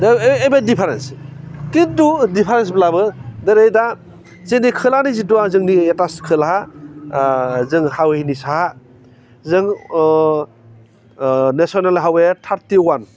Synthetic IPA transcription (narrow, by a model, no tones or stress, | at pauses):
dejbadipʰaɾenskidudipʰaɾens̬blabɯdɯɾejda | zenikʰɯlanizituazɯŋnietaskʰɯlɦa | zɯŋhawehinisaha | zɯŋ | nesɔnalɦawetʰaɾtiwan